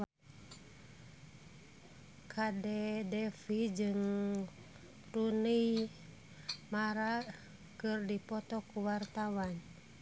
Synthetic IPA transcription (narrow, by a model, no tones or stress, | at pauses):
kʰadɛdɛfid͡ʒɨŋ | ɾunij | maɾa | kɨrdipɔt̪ɔkuwart̪awan